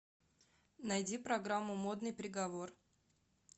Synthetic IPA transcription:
nɐjdʲipɾɐɡɾamːʊmo̞d̪nɨjpɾʲɪɡɐvo̞r

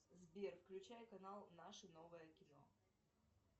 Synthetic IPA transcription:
zbʲerfklʲʉt͡ɕæjkɐnalˠnaʂɨnovɨjəkʲɪno̰

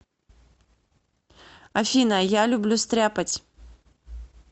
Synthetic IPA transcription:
ɐfʲinɐjalʲublʲust̪ɾʲapɐt͡sʲ

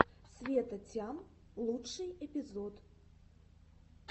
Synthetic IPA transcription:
sʲvʲɛt̪ɐt͡sʲamlˠuɨjɛpʲizɔt̪

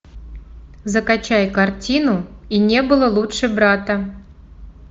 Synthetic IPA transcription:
zəkat͡ɕajkartʲinuinʲebɨlˠəlˠutʂɨbɾat̪ə

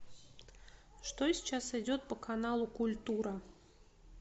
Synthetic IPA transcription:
ʂt̪ɔsʲt͡ʃasɨd͡zʲɔt̪̚pɐkʰanalˠukulʲt̪uɾɐ

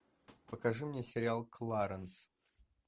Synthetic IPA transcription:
pəkɐʐɨmnʲesʲɪɾʲɪalˠklˠaɾəns

